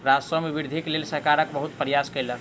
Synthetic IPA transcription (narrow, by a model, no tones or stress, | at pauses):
ɾasəmebiɾd̪ʱiklelsəɾkaɾəkbəɦut̪̚pəɾijaskəjlə